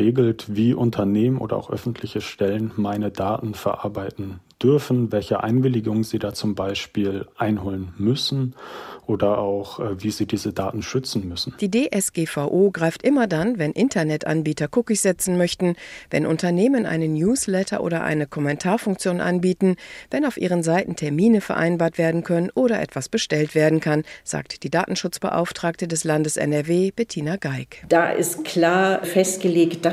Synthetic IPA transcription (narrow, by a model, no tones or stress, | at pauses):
eːɡl̩tviːʔʊntʰɐneːmənʔo̰ːdɐ̰ʔa̰ʊxʔœ̰fn̩tʰlɪçəʃtɛlənmaɪnədaːtn̩fɛɐʔa̰ɐbaɪtn̩d̥ʏɐfn̩vɛlçəʔa̰ɪnvɪlɪɡʊŋəziːdaːt͡sʊmbaɪʃpiːlʔaɪnɦoːlənmʏsn̩ʔoːdɐʔaʊxʔviːziːdiːzədaːtn̩ʃʏt͡sn̩mʏsn̩d̥iːdeːʔɛsɡ̥eːfaʊʔoːɡʁaɪftʔɪmɐdanvɛnʔɪntʰɐnɛtʔa̰nbiːtɐkʰʊkɪçz̥ɛt͡sn̩mœçtn̩vɛ̰nʔʊ̰ntɐneːmənʔa̰ɪnənjuːslɛtʰɐ̰ʔo̰ːɾɐʔa̰ɪnəkʰɔmɛntʰaːɐfʊŋkt͡sjoːnʔa̰nbiːtn̩vɛnaʊfʔḭːʁ̞ənzaɪtn̩tʰɛɐmiːnəfɛɐʔa̰ɪnbaːɐtv̥eːɐdn̩kʰœnənʔoːɾɐʔɛ̰tv̥asb̥əʃtɛltv̥eːɐdn̩kʰanz̥a̰ːk̚td̥iːda̰ːtn̩ʃʊt͡sb̥ə̰ʔa̰ʊftʁ̥aːk̚tədɛslandəsɛ̰nɛɐveːb̥ɛtʰiːnaɡaɪkd̥aːʔɪ̰stkʰl̥aːɐfɛstɡ̥əleːkt̚d̥a